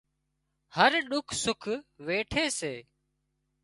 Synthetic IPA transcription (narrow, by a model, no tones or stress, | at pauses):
həɾɗʊkʰsʊkʰʋeːʈʰeːseː